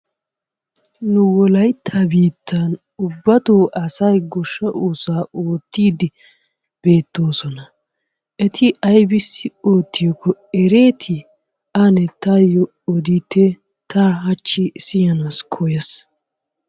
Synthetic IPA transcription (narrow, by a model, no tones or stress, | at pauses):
nʊwɔlɐjt̪ːabiːt̪ʰːɐn | ʊbːɐt̪oːʔɐsɐjɡɔʃːɐʔuːsaːoːt̪ːiːd̪ɪ | b̥e̞ːt̪ːo̞ːsɔnɐ | ʔɛt̪ʰɪʔɐjbɪsːɪoːt̪ːɪjɔkːɔɛɾe̞ːt̪ʰɪ | ɐnɛt̪ɐjɔ | ɔd̪it̪ːe | t̪ahɐt͡ʃːɪsɪjɐnaskʰɔjɐs